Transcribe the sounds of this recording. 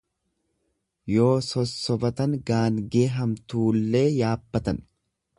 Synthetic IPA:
jo̞ːsɔsːɔbɐt̪ɐŋɡaːŋɡe̞ːɦɐmt̪uːlːe̞ːjaːbːɐt̪ɐn

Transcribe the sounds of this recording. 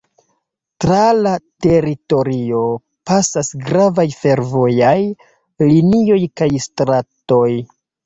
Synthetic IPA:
tɾalate̞ɾito̞ɾio̞ | pasasɡɾavajfe̞ɾvo̞jaj | linio̞jkajstɾato̞j

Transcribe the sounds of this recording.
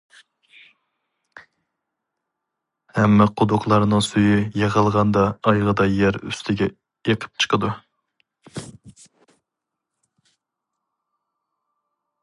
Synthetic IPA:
hɛmːɛqʰʊd̪ʊqlˠɑɾnɨŋsujyjeʁəlˠʁɑnd̪ɑːjʁəd̪ɑjæɾy̰st̪ʰɪɡʲɛ | jeqʰə̥p̚t͡ʃʰə̥qʰəd̪u

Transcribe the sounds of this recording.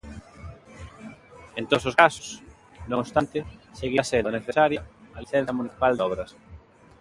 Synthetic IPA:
ent̪ososkasʊ̥s | nõŋst̪ant̪ɪseɣiɐseðoneθesaɾjɐɐliθɛnθjɐmuniθi̥pald̪ɔβɾɐs

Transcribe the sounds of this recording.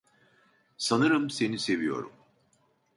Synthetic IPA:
sanɯɾɯmse̞nise̞vijo̞̰ɾṵm

